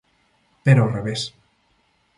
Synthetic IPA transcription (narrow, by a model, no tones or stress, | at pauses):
peɾoreβes